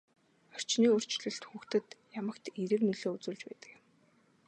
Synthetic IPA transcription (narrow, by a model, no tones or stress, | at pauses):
ɔr̥t͡ɕniːɵr̥t͡ɕɮɘ̆ɬt̪xuːxt̪ɘ̆t̪jamə̆kt̪eɾɘ̆rmiɮoːut͡suːɮt͡ɕpæ̰ːt̪ə̥̆kɪ̆m